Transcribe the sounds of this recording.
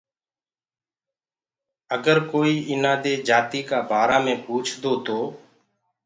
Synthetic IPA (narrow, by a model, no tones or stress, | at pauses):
əɡəɾkoːiːʔɪnãːd̪eːd͡ʒaːt̪iːkaːbʱaːɾaːmẽːpuːt͡ʃʰd̪oːt̪oː